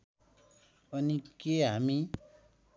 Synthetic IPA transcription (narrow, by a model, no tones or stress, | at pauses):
ʌnikeɦami